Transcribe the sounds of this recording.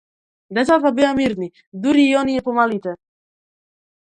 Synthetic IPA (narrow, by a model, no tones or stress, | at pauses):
d̪ɛsat̪pabiamiɾni | d̪uɾiːɔniɛpomalit̪ɛ